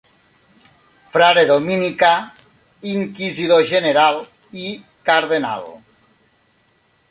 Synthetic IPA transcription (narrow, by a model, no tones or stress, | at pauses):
fɾaɾeðominika | iŋkiziðoʒeneɾal | i | kaɾðena̰l